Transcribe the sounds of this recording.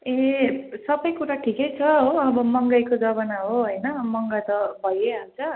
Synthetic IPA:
esʌbʌjkuɾaʈʰikʌjt͡sʰʌɦoʌbʌmʌŋɡʌjkod͡zʌbʌnaɦoɦʌjnʌmʌŋɡat̪ʌbʱʌjeɦawt͡sʰʌ

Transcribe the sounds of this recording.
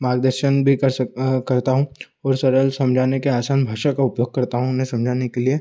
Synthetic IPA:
maːɡd̪əɾʃənbʱikɐɾkɐɾt̪aɦũ | ɔːɾsɐɾəlsɐ̃md͡ʒʱaːnekeaːsaːnbʱaːʃakaʊpjoːɡ̚kɐɾt̪aɦũʊnɦẽsɐ̃md͡ʒʱaːnekelie

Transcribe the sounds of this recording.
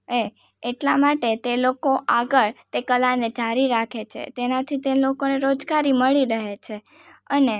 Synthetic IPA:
e | eʈlamaʈet̪elokoʔaɡəɭt̪ekəlaned͡ʒaɾiɾakʰet͡ʃʰḛt̪enat̪ʰit̪elokoneɾod͡ʒɡaɾiməɭiɾəɦet͡ʃʰe | əne

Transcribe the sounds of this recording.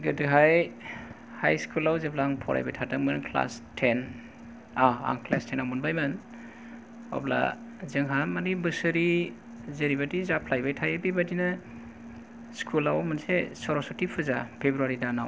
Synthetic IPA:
ɡɯdɯɦaj | hajskʰulawzepʰlaŋpʰɔ̰ɾʔa̰jba̰jtʰataŋmɯnkʰla̰stʰen | aa̰ŋkʰlastʰenawmunbajmɯn | ɔ̰pla̰zɯŋɦamanibɯsɯɾi | zeɾibadizapʰlajbajtʰajabibadina | skʰulawmɯnsesɔɾɔsɔtipʰɯzapʰebɾuaɾidanaw

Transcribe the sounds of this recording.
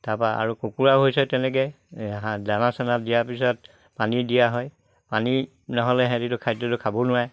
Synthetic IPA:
tapaa̰ɹukokuɹaɦojsɛtɛnɛk̬ɛ | ɦadanasɛnatdijapisɔt̚ | panidijaɦɔj | pani | nɔɦɔlɛɦɛ̃ditʊkʰajdɔtʊkʰabɔnʊa

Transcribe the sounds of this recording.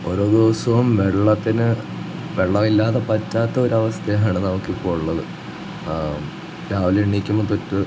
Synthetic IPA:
o̞ɾo̞ːd̪oːsɐʋumʋeɭːɐt̪ːinɨ | ʋe̞ɭːɐmilːaːt̪epɐtːaːt̪ːeo̞ɾɐʋɐst̪ʰejɦɐɳɐnɐmukːipːoːɻuɭːɐðɨ | ɾaːʋileɳːikʲːumːop̪otːɨ

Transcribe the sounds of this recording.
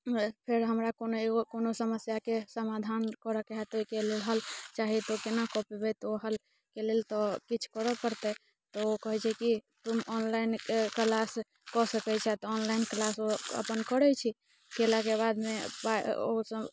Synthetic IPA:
pʰeɾɦəmɾakonoeɡokonosəməsjakesəmad̪ʱankɔɾəkeɦat̪oikelelɦəlt͡ʃaɦit̪okenakɔpibɛt̪oɦəl | kelelt̪ɔkit͡ʃʰkɔɾəpəɾt̪ɛ | t̪ɔokɔɦɛt͡ʃʰɛkit̪umɔnlainkkəlas | kɔsəkɛt͡ʃʰɛt̪ɔːnlainklasoə̰pənkɔɾɛt͡ʃʰi | kelakebad̪mepao̰sə

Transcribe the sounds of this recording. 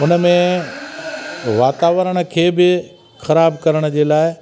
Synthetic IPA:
ʊnə̆mẽ | ʋaːt̪aːʋɾəɽ̃̆kʰeːbɪ | xɐɾaːbkɐɾəɽ̃ə̆d͡ʑeːlaːɪ

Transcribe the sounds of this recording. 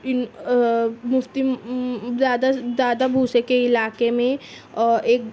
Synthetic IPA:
ɪn | mʊft̪i | d̪aːd̪ad̪aːd̪abʱuːsekeɪlaːkemẽ | ɔːʔeːk̚

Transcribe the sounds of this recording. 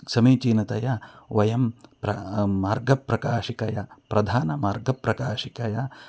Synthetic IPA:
sɐmiːt͡ʃiːnɐt̪ɐjɐʋɐjɐmpɾɐːaːɾɡɐpɾɐkaːʃikɐjɐpɾɐd̪ʱaːnɐmaːɾɡɐpɾɐkaːʃikɐjɐ

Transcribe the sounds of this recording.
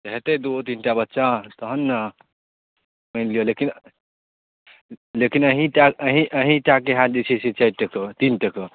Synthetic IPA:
tɦet̪ed̪ot̪inʈabətːʃãt̪əɦənː | mənlijolekin | lekinəɦĩʈaəɦĩʔəɦĩʈakeɦad̪isʰiset͡ʃajʈekət̪inʈekə

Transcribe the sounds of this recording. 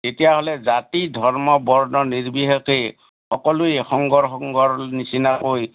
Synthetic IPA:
etijaɦolɛzatidʱɔɹmɔbɔɹnɔniɹbiɦɔke | xɔkɔlʊexɔŋɡɔɹxɔŋɡɔɹnisinakoj

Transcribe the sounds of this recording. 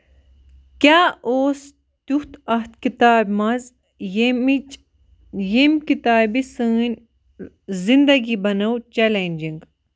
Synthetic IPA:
kʲjaːoːs | t̪uht̪ɐht̪kit̪aːbmɐz | jemkit̪aːbisɨːnʲ | zind̪ɐɡibɐnɐwt͡ʃelenʲd͡ʒiŋɡ

